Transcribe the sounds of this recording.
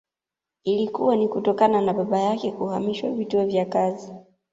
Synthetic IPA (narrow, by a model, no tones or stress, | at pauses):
ilikuwanikutɔkananaɓaɓajakɛkuhamiʃwa̰vituɔvjakazi